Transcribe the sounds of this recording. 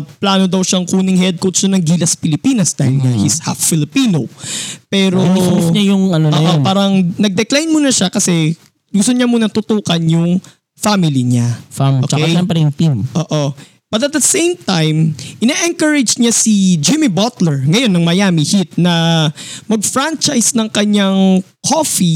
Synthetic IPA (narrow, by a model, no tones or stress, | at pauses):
plaːno̞d̪ɐwʃɐŋkuːnɪŋhɛd̪̚kowt̪sɐnɐŋɡiːlɐspɪlɪpiːnɐsd̪aːhɪlɲɐhisha̰ffɪlɪpiːnopɛːɾoɲɐjʊŋɐnooːʔopaːɾɐŋnɐɡ̚d̪ɛklajnmuːnɐʃakɐsɛ | ɡʊst̪oɲɐmunɐt̪ʊt̪uːkɐnjʊŋ | famɪliɲaoːkt͡ʃɐaʃɛmpɾɛjʊŋt̪imʔoːʔo | b̥ɐt̪ɐt̪̚d̪ɐsẽjmt̪ajmʔɪnaʔɛŋkɐɹɪd͡ʒɲasid͡ʒɪmibat̪lɛɹŋɐjo̞nːɐŋmɐjaːmihit̪̚nɐ | mɐɡ̚fɾant͡ʃajsnɐŋkɐɲaŋ | kʰofi